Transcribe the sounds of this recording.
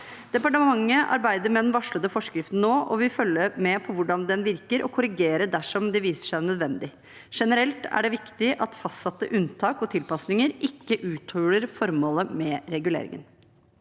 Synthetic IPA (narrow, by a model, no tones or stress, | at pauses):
d̪̥ɛpɑʈəmmɑŋːəʔɑ̰ɾbæɪd̪əɾmɛd̪ɛnʋɑʂɭəd̪əfɔʂkɾɪft̪n̩nːoːɔ̰ʋɪfœlːəmɛpʰɔʋʊɖɑnd̪ɛnʋɪɾkəɾʔɔkʰʊɾɪɡeːɾəɖ̪æʂɔmd̪ɛʋiːsə̥ʂæɪnœd̪ʋɛnd̪ɪ | ʂɛnəɾɛlt̪æ̰ɖɛʋɪkt̪ɪʔɑt̪fɑst̪sɑt̪ːə̰ʔʉnt̪ʰɑːkɔt̪ʰɪlpɑsnɪŋəɾʔɪkːəʔʉːt̪hɔləɾfɔɾmoːləmɛɾɛɡʉlḛːɾɪ̰ŋə̰n